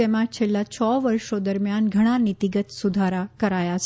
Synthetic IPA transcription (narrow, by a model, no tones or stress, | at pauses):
emãt͡ʃʰelːat͡ʃʰɔʋəɾʃod̪əɾmjanɡʱəɽ̃anit̪iɡət̪sud̪ʱaɾakəɾajat͡ʃʰ